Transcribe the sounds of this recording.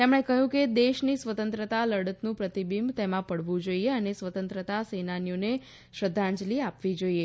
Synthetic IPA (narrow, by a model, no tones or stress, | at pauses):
t̪emɽ̃ekəɦjũked̪eʃnisʋət̪ənt̪ɾət̪aləɽət̪nũpɾət̪ibimt̪emãpəɽʋũd͡ʒoieənesʋət̪ə̃nt̪ɾət̪asenanjone | ʃɾəd̪ʱːãɲd͡ʒliapʋid͡ʒoie